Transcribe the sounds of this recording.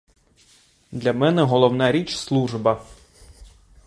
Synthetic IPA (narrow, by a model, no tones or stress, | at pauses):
d̪lʲɐmɛnɛɦɔlˠɔwnɑɾʲit͡ʃslˠuʒbɐ